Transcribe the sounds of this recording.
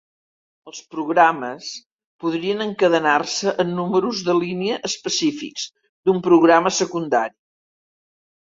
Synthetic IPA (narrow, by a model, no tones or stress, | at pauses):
əlˠspɾuɣɾaməs | puð̞ɾiənəŋkəðənarsəʔənːuməɾuzðəliniəʔəspəsifḭkz̥ | d̪umpɾuɣɾaməsəkund̪aɾi